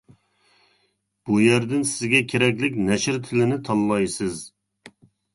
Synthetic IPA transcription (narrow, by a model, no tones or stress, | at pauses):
b̥ujæɾd̪ɪnsɪzɡʲɛkʲʰeɾɛkʲlɪkʲnɛʃɪɾt̪ʰɪlɪnɪt̪ʰɑlˠːɑjsɨz